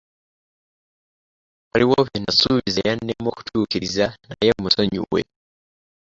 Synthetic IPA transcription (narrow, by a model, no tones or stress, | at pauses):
waliwoβenasuβizḛjanːemwo̞ku̥tʰuːkiɾizanajeomusoɲṵwwḛ